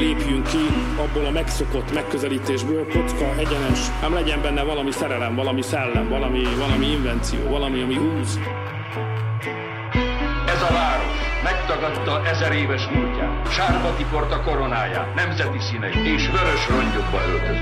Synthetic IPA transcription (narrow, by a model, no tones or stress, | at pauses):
leːpjyŋkːi | ɒbːoːlɒmɛkso̞ko̞t̪ːmɛkːøzɛliːt̪eːʒbøːlkot̪skɒʔɛɟɛnɛʃ | aːmlɛɟɛmbɛnːɛvɒlɒmisɛɾɛlɛmvɒlɒmisɛlːɛmvɒlɒmivɒlɒmiiɱvɛnt̪sijo̰ːvɒlɒmiɒmiɡuːz | ɛzɒvaːɾoʃmɛkt̪ɒɡɒt̪ːɒʔɛzɛɾeːvɛʃmuːcːa̰ːt̪ʃaːrbɒt̪ipo̞rt̪ɒko̞ɾo̞naːja̰ːt̪nɛmzɛt̪isiːnɛit̪eːʃvøɾøʃroɲɟoɡbɒølt̪ø